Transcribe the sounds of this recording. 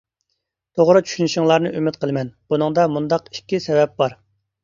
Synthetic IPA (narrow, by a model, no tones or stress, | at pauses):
t̪ʰoʁɾɨt͡ʃʰy̥ʃynyʃiŋlˠɑɾnɨʔymɪt̪qʰəlˠɨmɛnbunɨŋd̪ɑmund̪ɑqi̥kʲːisɛvɛp̚bɑɾ